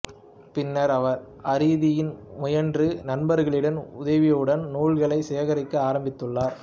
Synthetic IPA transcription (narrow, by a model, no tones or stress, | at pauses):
pɪnːɐɾɐʋɐɾ | ɐɾiːðɪjɪnmʊjɐndrɯnɐnbɐɾɣɐɭɪɽɐnʊðɐʋɪjɯɽɐnnuːɭɣɐɭɐɪsɛjɐɣɐɾɪkːɯaːɾɐmbɪt̪ːɯɭːaːɾ